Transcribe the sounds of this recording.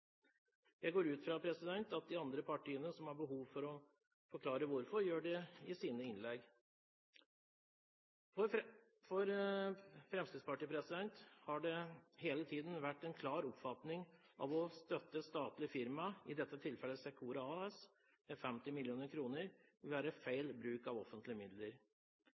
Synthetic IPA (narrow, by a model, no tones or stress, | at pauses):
jæɪɡoːɾʉːt̪fɾɑpʰɾɛsɪd̪ɛnt̪ɑt̪̚d̪ɪɑnd̪ɾəpʰɑʈʰiːənəsɔmhɑɾbəɦuːʋfɔɾɔ | fɔɾkʰlɑːɾəʋʊɾfɔɾjøːɖɛɪsiːnəɪnlɛɡ | ɔ | fɔɾ | fɾɛmsk̪ɪd̪spɑʈiːpʰɾɛsɪd̪ɛnt̪hɑɖɛheːlət̪ʰiːd̪n̩ʋæʈːɛnkʰlɑːɾɔpfɑt̪nɪŋʔɑ̰ʋɔst̪œt̪ːəst̪ɑːt̪lɪfɪɾmɑɪd̪ɛt̪ːət̪ʰɪlfɛlːəsɛkʰuːɾɑɑɛs | mɛfɛmt̪ɪmɪljuːnəɾkʰɾuːnəɾɪʋæːɾəfæɪlbɾʉːkɑʋɔfənt̪lɪəmɪd̪ləɾ